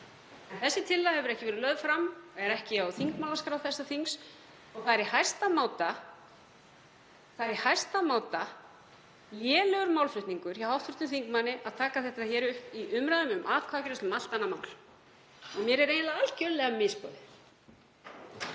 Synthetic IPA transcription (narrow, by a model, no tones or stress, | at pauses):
ɛnθɛsːɪt̪ʰɪlːahɛvʏɾɛhcɪvɛːɾɪlœðfɾamɛɾɛhcɪawθiŋkmawlaskɾaːwθɛsːaθiŋs | ɔɣθaɾɪhajrst̪amaːwt̪a | θaɾɪhajrst̪amaːwt̪a | lɛːlɛɣʏɾmaːwlfɾʏht̪niŋkʏɾ̥jawhawht̪fʏ̥ɾht̪ʏθiŋkmanːɪʔaðt̪ʰaːkaθɛht̪açɛːɾʏhpiʔʏmɾaðʏmʏmʔaːt̪kʰvaːcʏɾɛst̪mal̥t̪anːamawl | ɔɣmjɛɾɛɾejnlaalcœllɛɣamɪspɔːðɪ